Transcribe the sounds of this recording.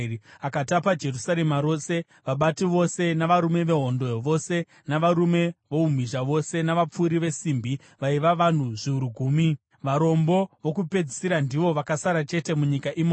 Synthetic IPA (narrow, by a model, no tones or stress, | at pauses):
akatapad͡ʒe̞rusaɾe̞maɾo̞se̞ | ʋaɓatiʋo̞se̞naʋaɾume̞ʋe̞ɦo̞ndo̞ʋo̞se̞ | naʋaɾume̞ʋo̞um̤iʒaʋo̞se̞naʋap͡fuɾiʋe̞simbʱi | ʋaiʋaʋan̤uʐiuɾuɡʱuːmi | ʋaɾo̞mbo̞ʋo̞kupe̞d͡zisiɾandiʋo̞ʋakasaɾat͡ʃe̞te̞muɲikaʔimo